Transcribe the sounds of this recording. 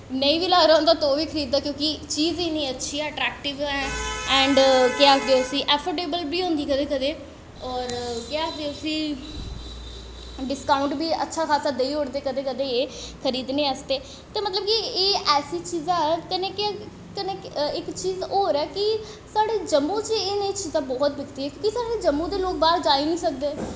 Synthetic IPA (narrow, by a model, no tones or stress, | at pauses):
nəĩːʋilaːɾaɦõnd̪aːt̪oːʋiːkʰəɾiːd̪̚d̪aːkjõːkit͡ʃiːziːnĩːətːʃʰiːɛəʈɾɛːk̚ʈɪʋɛːɛ̃ːɳɖkɪaːkʰd̪eːʊsĩːʔɛːpʰoʈeːbəlbiːɦõːnd̪iːkəd̪eːkəd̪eː | ɔːɾkjaːkd̪eːʊsĩː | ɖɪskaːʊɳʈbiːʔə̰tːʃʰaːkʰaːsaːd̪eiːɦoːɽd̪eːkəd̪eːkəd̪eːeːkʰəɾiːd̪neːəst̪eː | t̪eːmət̪ləb̚kieːʔɛːsiːt͡ʃiːzakəneːkɪ | kəneːɪkt͡ʃiːzoːɾɛːki | saːɽeːd͡ʒəmːũːt͡ʃeːnet͡ʃiːzãːbɔːt̪bɪkt̪iːɛːkjõːkisaːɽeːd͡ʒəmːũːd̪eːloːk̚baːɾd͡ʒaːinĩːsək̚d̪eː